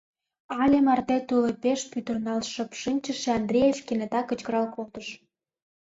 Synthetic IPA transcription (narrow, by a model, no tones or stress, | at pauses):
ɑlʲemɑrt̪et̪ulepeʃpyt̪ə̆rnɑlʃə̆pʃɨnʲt͡ɕə̆ʃĕɑnd̪ɾʲejet͡ɕkʲenet̪ɑkə̆t͡ɕkə̆ɾɑlkolt̪ə̆ʃ